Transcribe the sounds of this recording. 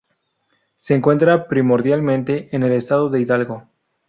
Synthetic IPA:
se̞ːŋkwe̞nt̪ɾapɾimo̞ɾðjalmẽ̞nt̪e̞ʔːne̞le̞st̪aðo̞ðe̞iðalɣo̞

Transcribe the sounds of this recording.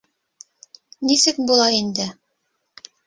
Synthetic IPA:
nisɘk̚bulˠɑind̪ɘ

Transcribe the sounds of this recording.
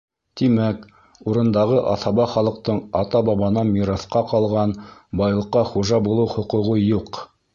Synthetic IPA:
t̪imæk | uɾɤ̆nd̪ɑʁɤʔɑ̰θɑβɑχɑlˠɤ̆q̚t̪ɤɴɑt̪ɑbɑβɑnɑmiɾɑθqɑqɑlˠʁɑnbɑjlˠɤ̆qːɑχuʒɑbulˠɤwχŏqŭʁɤjuq

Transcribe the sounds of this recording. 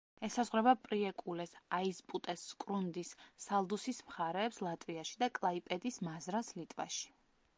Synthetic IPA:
ɛsazʁɾɛbapʼɾiɛkʼulɛsaispʼut̪ʼɛsːkʼɾund̪isːalˠd̪usismχaɾɛːpslˠat̪ʼviaʃi̥d̪akʼlˠaipʼɛd̪ismazɾaslit̪ʼva̰ʃi̥

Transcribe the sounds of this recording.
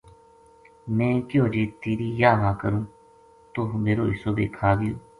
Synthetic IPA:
mɛ̃ːkjoːd͡ʒiːt̪iːɾiːjaːʋãːkəɾũː | t̪ʊɦmeːɾoːɪsoːb̪ḛːkʰaːɡɪjoː

